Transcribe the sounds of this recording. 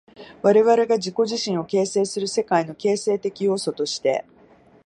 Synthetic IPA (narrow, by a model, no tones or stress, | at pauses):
βaɾe̞βaɾe̞ɡad͡ʑiko̞ʑiɕĩɰ̃o̞ke̞ːse̞ːsɨɾɯ̟se̞kaino̞ke̞ːse̞ːt̪e̞kʲijo̞ːso̞t̪o̞ɕi̥t̪e̞̰